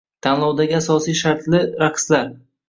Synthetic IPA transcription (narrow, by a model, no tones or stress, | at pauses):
t̪ʰanlˠɒwd̪aɡʲɪasɒsijʃaɾt̪lɪɾaqslaɾ